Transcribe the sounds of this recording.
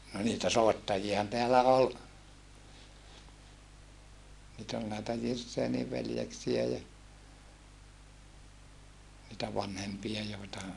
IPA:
no niːtæ soetːɑjiɑhɑn teælæ ol niːt ol næetæ jirsːeːniʋ ʋeljeksiæ jɑ nitæ ʋɑnhempiɑ joetɑ

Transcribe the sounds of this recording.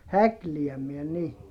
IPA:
hækliæmiɛ ni

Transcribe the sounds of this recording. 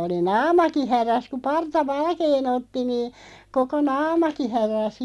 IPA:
oli nɑːmɑki hæræs ku pɑrtɑ ʋɑlkeːn otːi niː koko nɑːmɑki hæræˑs

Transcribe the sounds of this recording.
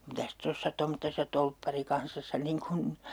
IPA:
mitæs tosːɑ tomtːesɑ tolpːɑrikɑnsɑsːɑ niŋ kun

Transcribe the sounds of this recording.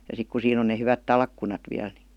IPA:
jɑ sik ku siːn on ne hyʋæt tɑlkːunɑt ʋiæl ni

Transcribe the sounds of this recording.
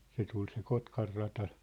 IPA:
se tul se kotkɑrːɑtɑ

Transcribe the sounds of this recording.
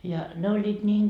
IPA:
jɑ ne olʲːiːt nʲiːŋ

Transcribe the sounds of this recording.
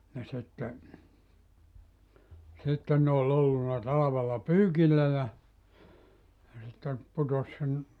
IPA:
jɑ sitːe sitːen ne ol olːunːɑ tɑlɑʋelːɑ pyːkilːæ jɑ jɑ sitːe putos sen

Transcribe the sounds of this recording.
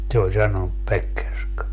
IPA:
se ol sɑnonup pekːerskɑ

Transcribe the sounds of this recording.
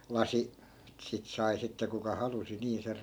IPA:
lɑsi sit sɑi sitːe kukɑ hɑlusi niː ser

